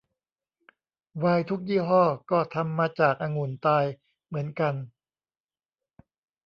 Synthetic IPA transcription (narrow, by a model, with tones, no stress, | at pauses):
waː˧jt̪ʰu˦˥k̚jiː˥˩ɦɔː˥˩kɔː˥˩t̪ʰa˧mːaː˧t͡ɕaː˨˩k̚ʔaː˧ŋu˨˩˦nt̪aː˧j | mɯ˩˦ənka˧n